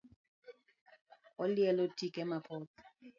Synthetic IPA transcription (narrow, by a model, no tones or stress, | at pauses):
ɔljɛlotʰikɛmapʰɔtɔ̥